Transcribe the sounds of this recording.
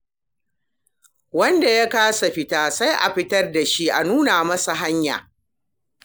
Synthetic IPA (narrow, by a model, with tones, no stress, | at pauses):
wɐ˦nda˨ja˦kaː˦sa˨ɸɪ˦taː˦sa˦jʔa̰˨ɸɪ˦tɐ˦rda˨ʃi˦ʔa˨nuː˦naː˨mɐ˦sa˨ɦa˦ɲja̰ː˨